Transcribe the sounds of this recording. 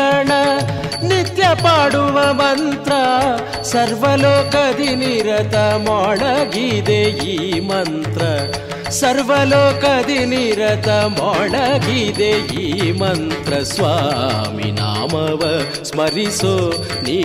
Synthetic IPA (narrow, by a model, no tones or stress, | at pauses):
ɳɐnit̪jɐpaːɽuʋɐmɐnt̪ɾɐ | sɐɾʋɐlɔːkɐd̪iniɾɐt̪ɐmaːɭɐɡid̪eiːmɐnt̪ɾɐ | sɐɾʋɐlɔːkɐd̪iniɾɐt̪ɐmaːɭɐɡid̪eiːmɐnt̪ɾɐsʋaːmḭna̰ːmɐʋɐ | smɐɾiso | ni